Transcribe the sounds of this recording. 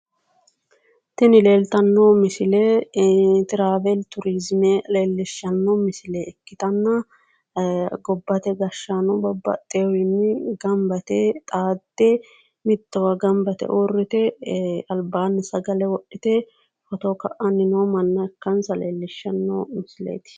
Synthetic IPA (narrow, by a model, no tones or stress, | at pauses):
t̪ɪnɪleːlt̪ɐnːomɪsɪleː | t̪ɪɾaːvɛlt̪ʊɾɪzmeleːlːɪʃːɐnːomɪsɪleːɛkːɪt̪ɐnːɐ | ɡɔbːɐt̪ɛɡɐʃːanʊbɔbːɐ̰t̪ʼːeːwɪnːɪɡɐmbɐt̪ɛt̪ʼaːd̪ːɛ | mɪt̪ːɐwɐɡɐmbɐt̪ɛ̰ʔorːɪt̪ɛɐlbaːnːsɐɡɐlɛwɔʔɪt̪ɛ | fɔt̪okɐʔɐnːɪnoːmɐnːɐɛkːɐnsɐlḛːlːɪʃːɐnːo̰ːmɪsɪlḛːt̪ɪ̥